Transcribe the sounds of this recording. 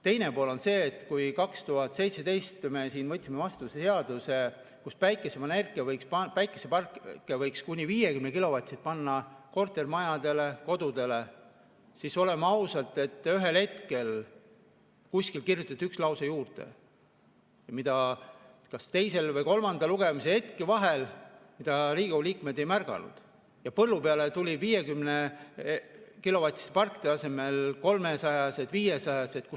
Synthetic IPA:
t̪e̞jne̞po̞ːlo̞nse̞ːt̪ːˑkujkɑkst̪uɦɑt̪ˑse̞jt̪se̞d̪̥e̞jst̪me̞siːnvɤt̪ʲːˑsimevɑst̪useseɑd̪̥use̞ | kuspæjkːˑesemɑnerkːˑevɤjkspɑpæjkˑːesepɑrkkːˑevɤjkskunʲːiviːje̞kymnekilo̞vɑt̪sit̪̚pɑnːɑko̞rt̪ːˑe̞rmɑjɑd̪̥e̞le̞ko̞d̪ud̪̥e̞le̞ | siso̞le̞mɑɑwsɑlt̪ːˑe̞t̪ːˑyɦe̞lhe̞t̪ke̞l | kusʲkilkirjut̪ːˑɑt̪ːykslɑwsɑjuːrd̪̥e̞̰ | jɑmid̪̥ɑt̪kɑst̪e̞jse̞lvɤjko̞lmɑnd̪̥ɑluɡ̥e̞mise̞et̪kevɑɦelmid̪̥ɑɾiːɡ̥uliːkmed̪e̞jmærɡ̥ɑ̰nṵd̪̥ | jɑpɤlːupeɑlet̪ulʲiviːje̞kymne | kilo̞vɑt̪ːˑi̥st̪epɑrkːˑd̪eɑse̞me̞lko̞lmesɑjɑse̞d̪viːjesɑjɑsed̪̥̚ku

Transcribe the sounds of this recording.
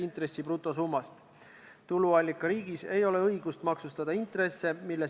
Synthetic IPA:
int̪re̞sːiprut̪ːˑo̞s̬uːmːɑst̪ | t̪uluɑlʲːikːˑɑɾiːɡ̥ise̞jo̞le̞ɤjɡ̥ust̪mɑksust̪ɑd̪̥ɑint̪re̞sːe̞milːe̞

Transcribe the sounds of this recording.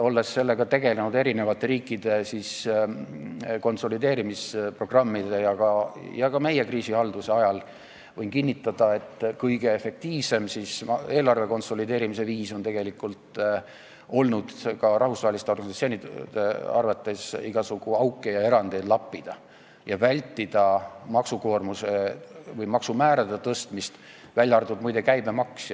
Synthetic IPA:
o̞lːe̞sːe̞lːe̞ɡ̥ɑt̪e̞ɡe̞lenud̪e̞ɾine̞vɑt̪ːˑe̞ɾiːkːˑid̪̥e̞sis | ko̞nso̞lid̪e̞ːɾimispro̞ɡ̥rɑmːid̪ejɑkɑjɑkɑme̞je̞kriːsihɑld̪̥use̞ɑjɑl | vɤjnkinʲːit̪ːˑɑd̪̥ɑe̞t̪ːkɤjɡ̥e̞efːe̞k̚t̪iːvse̞msise̞ːlɑrve̞ko̞nso̞lid̪e̞ːɾimise̞viːso̞nt̪e̞ɡ̥e̞likːˑult̪ˑ | o̞lnud̪̥kɑɾɑhvusvɑːhelist̪eo̞rɡɑnisɑt̪sioni̥eɑ̰rvɑt̪ːˑesiɡ̥ɑsuɡ̥uɑwkːˑe̞jɑe̞ɾɑnd̪ed̪lɑpːid̪̥ɑ | jɑvælʲt̪ːid̪̥ɑmɑksuko̞ːrmusevɤjmɑksumæːɾɑd̪et̪ɤst̪mist̪ | vælʲjɑrd̪̥ud̪mujd̪e̞kæjbe̞mɑksj

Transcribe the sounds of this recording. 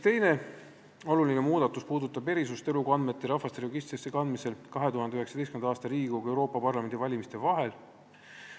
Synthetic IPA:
t̪e̞jne̞ | o̞luline̞muːd̪̥ɑt̪ːˑuspuːd̪ut̪ːˑɑb̥e̞ɾisust̪e̞lukɑnd̪me̞t̪ːˑeɾɑfɑst̪eɾoɡist̪sesekɑnd̪mise̞lkɑɦe̞t̪uhɑnd̪eyheksɑd̪estkymenɑɑːst̪ɑɾiːɡuɡe̞wɾo̞ːpːˑɑpɑrlɑme̞nd̪ivɑlʲimist̪e̞vɑɦe̞l

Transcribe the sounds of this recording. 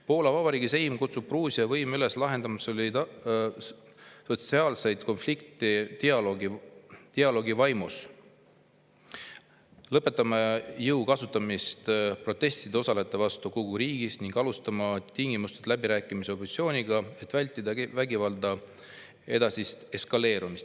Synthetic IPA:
po̞ːlɑvɑb̥ɑɾiːɡise̞jmkut̪sub̥̚pruːsiɑvɤjmyle̞slɑɦe̞nd̪̥ɑmɑsolʲit̪ | so̞t̪siɑːlse̞jd̪̥ko̞nflikt̪ˑit̪iɑloɡit̪iɑlo̞ɡivɑjmus | lɤpːˑe̞t̪ːˑɑmɑjɤwkɑsut̪ːˑɑmist̪pro̞t̪ːe̞sʲt̪id̪̥eo̞sɑle̞t̪ˑːe̞vɑst̪ukoɡuɾiːɡ̥isniŋɡ̥ɑlust̪ɑmɑt̪iŋɡimust̪ed̪læbiɾæːkːˑimiseop̪sio̞ːniɡ̥ɑe̞t̪ːvælʲt̪ˑːid̪̥ɑvæɡivɑld̪ɑ | e̞̰d̪̥ɑsist̪e̞skɑle̞ːɾumist̪

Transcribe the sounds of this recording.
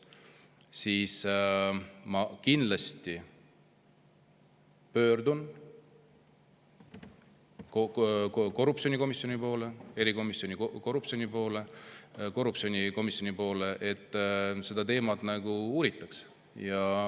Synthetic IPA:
siːs | mɑkind̪lɑst̪i | pø̞ːɾd̪un | kko̞rːup̚t͡ssio̞niko̞misːo̞nipo̞ːle̞e̞ɾiko̞misjo̞nikko̞rupsio̞nipo̞ːle̞ko̞rːupsio̞nʲiko̞misːjo̞nʲipo̞ːle̞ʔet̪ːˑse̞d̪̥ɑt̪e̞ːmɑd̪̥næɡ̥uuːɾit̪ːˑɑks | jɑ

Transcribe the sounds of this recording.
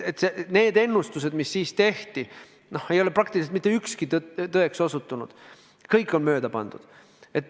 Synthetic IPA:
et̪sene̞ːd̪e̞nːust̪us̬e̞d̪misːiːst̪e̞ht̪i | no̞he̞jo̞le̞prɑkt̪iliset̪mit̪ːeykskit̪t̪ɤekso̞sut̪ːˑunṵd̪̥ | kɤjkːˑo̞nmø̞ːd̪̥ɑpɑ̰nd̪̥ud̪̥ | e̞t̪ː

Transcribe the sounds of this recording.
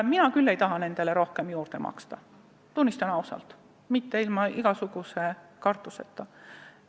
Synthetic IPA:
minɑkylːe̞jt̪ɑɦɑne̞nd̪̥e̞leɾo̞hkemjuːrd̪̥e̞mɑ̰kst̪ɑ | t̪unʲːist̪ɑnɑusɑ̰lt̪ | mit̪ːe̞ilmɑʔiɡ̥ɑsuɡ̥use̞kɑrt̪ːˑusḛt̪ːˑɑ

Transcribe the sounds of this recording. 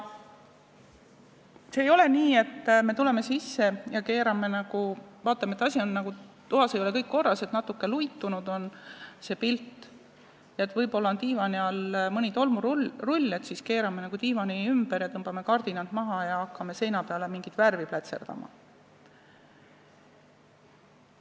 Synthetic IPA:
seːjo̞le̞niːe̞t̪ːme̞t̪ule̞me̞sisːe̞jɑke̞ːɾɑme̞nɑɡ̥uvɑːt̪ːˑɑmeet̪ːˑɑsʲio̞nːɑɡ̥u | t̪uɦɑse̞jole̞kɤjkːko̞rːɑse̞t̪nɑt̪ːukːe̞lujt̪ːˑunud̪̥o̞nse̞ːpilt̪ːˑ | jɑet̪vɤjbo̞lːɑont̪iːvɑniɑlmɯnʲit̪o̞lmuɾrulʲːet̪siske̞ːɾɑme̞nɑɡ̥ut̪iːvɑniymb̥eɾjɑt̪ɤmb̥ɑme̞kɑrd̪̥inɑnt̪mɑɦɑjɑɑkːɑme̞se̞jnɑpe̞ɑle̞miŋɡ̥it̪værviplæt̪se̞rd̪̥ɑ̰mɑ̰

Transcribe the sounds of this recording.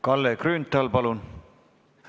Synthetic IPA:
kɑlːekryːnt̪ːˑɑlpɑlun

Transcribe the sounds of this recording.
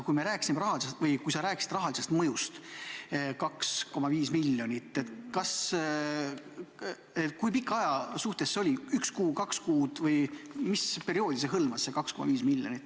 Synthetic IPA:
kujmeɾæːkːˑi̥simeɾɑɦɑlisest̪vɤjkujsɑɾæːkisi̥d̪rɑɦɑlise̞st̪mɤjust̪ | kɑksko̞mɑviːsmilʲːjo̞nit̪ːˑet̪kɑs | et̪kujpikːˑɑjɑsuht̪esːeo̞lʲiykskuːkɑkskuːd̪̥vɤjmispe̞ɾio̞ːd̪̥ʲis̬eɦɤlmɑsːekɑksko̞mʔɑ̰viːsmilʲːjo̞nʲit̪ːˑ

